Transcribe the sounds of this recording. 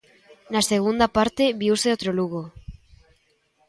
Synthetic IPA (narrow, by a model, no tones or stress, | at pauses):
nase̞ɣund̪apaɾt̪e̞βiuseot̪ɾoluɣo